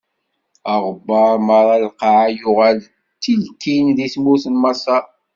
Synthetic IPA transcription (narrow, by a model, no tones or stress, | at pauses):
ɑʁəbːɑɾˤmɑɾˤɑlqaʕajʊʁæl | t̪ːilkinðismʊɾθənmɑsˤɑ